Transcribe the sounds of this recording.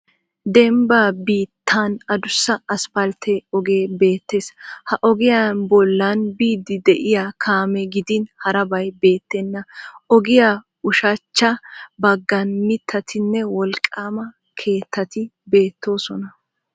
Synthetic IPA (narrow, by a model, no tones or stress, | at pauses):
d̪ɛmbaːbiːt̪ʰːanɐd̪ʊsːɐɐspɐlt̪ʰeɔɡeːbe̞ːt̪ːeːshɐʔɔɡɪjanbɔlːɐnbiːd̪ːɪd̪ɛʔɪjakʰaːmɛɡɪd̪ɪnhɐɾɐbɐjbe̞ːt̪ːɛnːɐɔɡɪja | ʊʃɐt͡ʃːɐbɐɡːɐnmɪt̪ʰːɐt̪ʰɪnːɛwɔlkʼːaːmɐ | kʰe̞ːt̪ʰːɐt̪ɪbe̞ːt̪ːo̞ːsɔnɐ